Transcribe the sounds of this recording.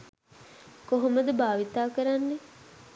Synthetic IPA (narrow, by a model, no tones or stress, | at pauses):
koɦoməd̪əbaːʋit̪aːkəɾanːe